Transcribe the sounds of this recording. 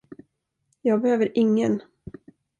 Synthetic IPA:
jɑːɡ̚bɛhøːvəɾʔɪŋːən

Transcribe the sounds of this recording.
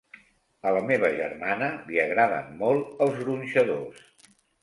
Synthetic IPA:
ələmeβəʒə̰rmanəliəɣɾaðə̰mmɔlˠəlˠzɣɾunʲʃəðos

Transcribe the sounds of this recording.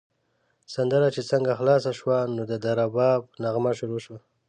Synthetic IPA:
sand̪əɾat͡ʃet͡səŋɡaxlɑsaʃwanod̪əd̪aɾabɑbnaɣmaʃuɾoʃwa

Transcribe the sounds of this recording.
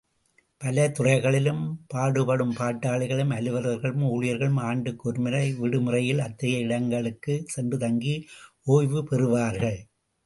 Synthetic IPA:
pɐlɐt̪ʊrɐɪɣɐɭɪlɯmpaːɽɯpɐɽɯmpaːʈːaːɭɪɣɐɭɯmɐlɯʋɐɾɐɾɣɐɭɯmuːɻɪjɐɾɣɐɭɯmaːɳɖɯkːɔɾmɪɾɐɪʋɪɽɯmɯrɐjɪlɐt̪ːɐjɐɪɽɐŋɡɐɭɯkːɯsɛndrɯt̪ɐŋɡi | oːjʋɯpɛrɯʋaːɾɣɐɭ

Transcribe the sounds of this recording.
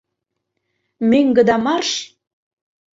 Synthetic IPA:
meŋɡə̆d̪ɑmɑrʃ

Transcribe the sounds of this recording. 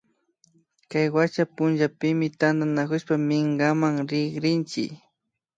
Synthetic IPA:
kajwat͡ʃapʊnʒapɪmɪt̪and̪anakʊʃpamɪŋɡamaŋɾɪɡɾɪnt͡ʃɪ̰

